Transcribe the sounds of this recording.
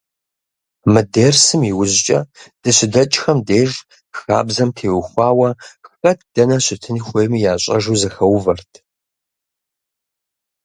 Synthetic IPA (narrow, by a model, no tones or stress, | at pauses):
mɨdeːrsɨmiwʊʑt͡ʃʼɐd̥ɨɕɪdɐt͡ʃʼxɐmdeːʒ | xa̰ːbzɐmtʰeːwxʷɑːwɐxfɐt̚ʰd̥ɐnɐɕɪtʰɨnxʷejmjaːɕʼɐʒuːzɐxɐwvɐrtʰ